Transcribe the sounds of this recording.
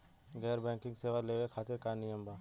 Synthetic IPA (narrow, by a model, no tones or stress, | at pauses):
ɡɛːɾbɛ̃ːkɪ̃ŋɡseːʋaleːʋekʰaːt̪eɾkanɪjəmbaː